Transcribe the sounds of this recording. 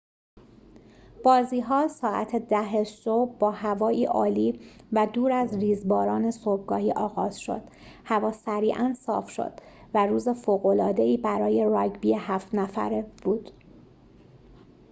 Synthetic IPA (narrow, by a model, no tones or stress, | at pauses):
b̥ɒːziːɦɒːsɒːʔæt̪ʰed̪æɦeʃobbɒːhævɒːʔiːʔɒːliːvæd̪uːɾæzriːzbɒːɾɒːne̞sob̚ɡɒːhiːʔɒːɣɒːz̥ʃo̞̰d̪̥ | hævɒːsæɾiːʔænsɒ̰ːfʃo̰d̪̥ | væɾuːze̞foːɣo̞lɒːd̪eiːbæɾɒːje̞ɾɒːɟbiːehæft̪næfæ̰ɾb̥uːd̪̥